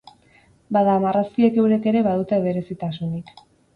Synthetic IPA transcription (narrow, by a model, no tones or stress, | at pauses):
baðaːmaraskie̞ke̞wɾe̞ke̞ɾe̞βaðut̪eβe̞ɾe̞sit̪asunik